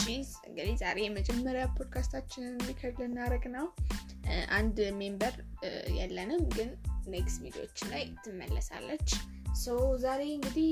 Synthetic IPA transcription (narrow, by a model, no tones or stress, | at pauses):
t͡ʃizɨ̰ŋɡɨd̪izaɾe̞jɛməd͡ʒʼɛmːəɾjapʰo̞d̪kʰast̪ʰat͡ʃːɪnmːikʰədlɨnːaɾəɡnəw | ʔand̪me̞mbəɾ | jɛ̰lːənɨmɡɨnːeɡsbid̪io̰t͡ʃːnlajt̪ʰːɨmːə̰lːəsa̰lːət͡ʃː | səwzaɾe̞ɨŋɡɨd̪ih